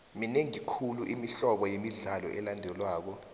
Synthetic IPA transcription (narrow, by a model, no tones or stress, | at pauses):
mineŋikʰuluʔimiɬɔɓɔjemiɮalɔ̰ʔɛlandʱɛlwaːk̬ɔ